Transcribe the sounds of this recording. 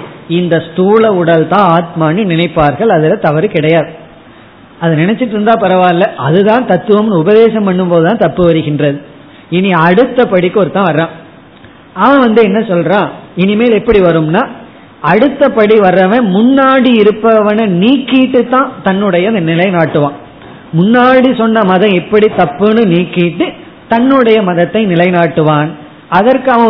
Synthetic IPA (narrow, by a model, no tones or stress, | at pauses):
ɪnd̪ɐst̪uːɭɐʊɽɐlt̪ãːaːt̪maːninɪnɐɪpːaːɾɣɐɭɐðɯlɐt̪ɐʋɐɾɯkɪɽɐjaːðɯ | ɐðɯnɪnɛt͡ʃːɪʈːɾɯnd̪aːpɐɾɐʋaːɾlɐʔɐðɯt̪ãːnt̪ɐt̪ːɯʋɐmnʊbɐðeːsɐmpɐɳːɯmpoːðɯt̪ãːnt̪ɐpːɯʋɐɾɯɣɪndrɐðɯ | ɪniɐɽɯt̪ːɐpɐɽikːɯɔɾɯt̪ãːʋɐɾɾãː | ɐʋɐ̃ʋɐnd̪ɯɛnːɐsɔlɾãːɪnimeːlɛpːɐɽiʋɐɾɯmnaː | ɐɽɯt̪ːɐpɐɽiʋɐɾɐʋẽmʊnːaːɽiɪɾɯpːɐʋɐnɐniːkːiʈːɯt̪ːãːt̪ɐnːɯɽɐjɐɪnd̪ɐnɪlɐɪnaːʈːɯʋãː | mʊnːaːɽisɔnːɐmɐðɐ̃ɛpːɐɽit̪ɐpːɯnɯniːkːiʈːɯ | t̪ɐnːɯɽɐjɐmɐðɐt̪ːɐɪnɪlɐɪnaːʈːɯʋaːn | ɐðɐɾkɯɐʋɐ̃